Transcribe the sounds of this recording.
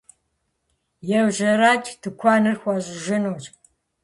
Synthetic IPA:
jɛwʑɐɾaːt͡ʃʼtʰɨkʷʰɑːnɨrxʷaʑʼɪʒɪnuːt͡ʃʼ

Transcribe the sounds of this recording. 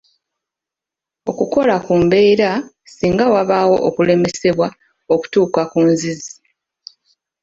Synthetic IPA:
o̞kuko̞lakuːmbe̞iɾa | siːŋɡawaβaːwo̞ʔokule̞me̞se̞βwa | o̞ku̥tuːkakuːnzizi̥

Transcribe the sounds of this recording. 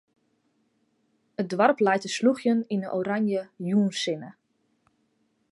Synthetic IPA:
ət̚dʋarplɛjtəsluxjəninəʔoɾanjəjuːnsɪnə

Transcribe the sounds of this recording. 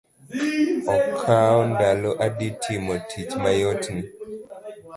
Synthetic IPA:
ɔkʰaɔndaloʔaditʰimɔtʰit͡ʃmajotni

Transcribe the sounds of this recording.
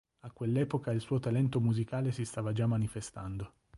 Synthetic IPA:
akːwelːɛːpokailsuːot̪alɛnt̪omuzikaːlesist̪aːvad͡ʒamːanifest̪a̰nd̪o

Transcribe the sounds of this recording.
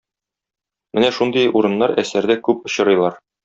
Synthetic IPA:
mɘnæʃund̪ɤjʔuɾɤ̆nːɑɾæsæɾd̪ækʉp̚ŏɕɤ̆ɾɤ̆jlˠɑɾ

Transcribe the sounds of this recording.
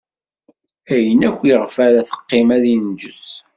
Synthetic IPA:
æjənækʷːiʁfæɾæθə̥qːɪmæðind͡ʒəs

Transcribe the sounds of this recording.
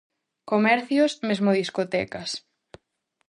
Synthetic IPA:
komɛɾθjosmezmoðiskot̪ɛkɐs

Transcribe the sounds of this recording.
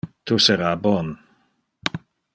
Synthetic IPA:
t̪ʰusɛɾabɔn

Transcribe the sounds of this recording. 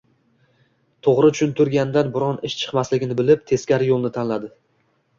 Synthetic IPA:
t̪ʰoʁɾɪt͡ʃʰʊnt̪ʰʊɾɡʲand̪anbʊɾɒnɪʃt͡ʃʰɨ̥qmaslɪɡʲɪnɪbɪlɪp̚t̪ʰe̞skʲaɾjolˠnɪt̪ʰanlad̪ɪ

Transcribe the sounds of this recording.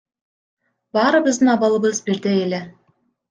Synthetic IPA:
bɑːɾɯbizd̪ɯnɑβɑlˠɯ̆βɯzbiɾd̪eele

